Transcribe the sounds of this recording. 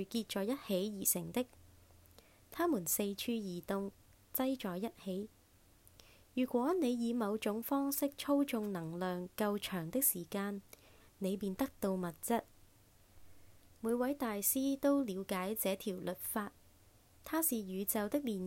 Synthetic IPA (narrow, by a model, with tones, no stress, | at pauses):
kiː˧t̚t͡ʃɔː˨˧jɐ˥t̚he˨˥jjiː˨˩sɪ̰˨˩ŋt̪ɪ˥k̚ | t̪ʰaː˥muː˨˩nse˧jt͡ʃʰyː˧jiː˨˩t̪ʊ˧ŋ | t͡sɐ˥jt͡ʃɔː˨˩jːɐ˥t̚he˨˥j | jyː˨˩kʷɔː˨˥ne˨˧jjiː˨˧mɐ˨˧wt͡ʃʊ˨˥ŋfɔː˥ŋsɪ˥k̚t͡ʃʰo˥wt͡ʃʊ˧ŋnɐ˨˩ŋlœː˨ŋkɐ˧wt͡ʃʰœː˨˩ŋt̪ɪ˥k̚siː˨˩kaː˧n | ne˨˧jpiː˨˧nt̪ɐ˥k̚t̪o˧wmɐ˨t̚t͡sɐ˥t̚ | muː˨˧jwɐ˨˥jt̪aː˨jsiː˥t̪o˥wliː˨˧wkaː˨˥jt͡sɛː˨˥t̪ʰiː˨˩wlɵ˨t̚faː˧t̚ | t̪ʰaː˥siː˨jyː˨˧t͡sɐ˨wt̪ɪ˥k̚liː˨˩n